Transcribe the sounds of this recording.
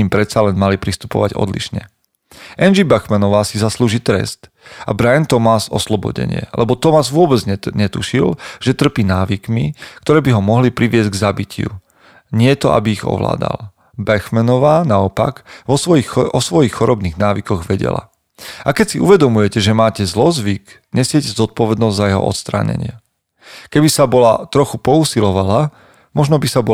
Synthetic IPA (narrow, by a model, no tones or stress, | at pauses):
impɾɛt̪salɛnmalipɾist̪u̥pɔ̰ʋa̰ɟɔ̰d̪lḭʃɲɛ | ʔɛnd͡ʒibaxmanɔʋaːsizasluːʒiːt̪ɾɛ̰st̪ | a̰bɾajɛnt̪ɔmasɔ̰slɔbɔ̰ɟɛ̰ɲɪɛ̰lɛbɔt̪ɔmazʋʊɔbɛd͡zɲɲɛt̪uʃilʒ̥ɛt̪r̩piːnaːʋikmikt̪ɔɾɛːbiɦɔmɔɦlipɾiʋɪɛzɟɡzabicɪṵ | ɲɪɛt̪ɔʔa̰biiɣɔ̰ʋla̰ːd̪a̰l | bɛxmɛnɔʋaːnaɔpaɡʋɔɔixɔsʋɔjixxɔɾɔbniːɣnaːʋikɔɣʋɛɟɛ̰la̰ | akɛcsiʔuʋɛd̪ɔmujɛcɛʒɛmaːcɛzlɔzʋik | ɲɛsɪɛcɛzɔt̪̚pɔʋɛd̪nɔzɟʲzajɛɦɔ̰ʔɔ̰t̪st̪ɾa̰ːɲɛ̰ɲɪɛ | kɛbisabɔlat̪ɾɔxupɔuːsilɔʋala | mɔʒnɔbisabɔ